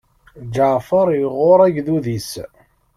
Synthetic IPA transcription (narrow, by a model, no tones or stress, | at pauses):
d͡ʒəʕfəɾˤjəʁʊɾˤæʝðuðis